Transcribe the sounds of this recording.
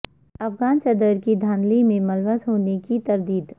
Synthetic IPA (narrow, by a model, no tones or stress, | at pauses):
ɐfɡaːnsɐd̪əɾkid̪ʱaːnlimẽmɐlʋəsɦoːnekit̪ɐɾd̪iːd̪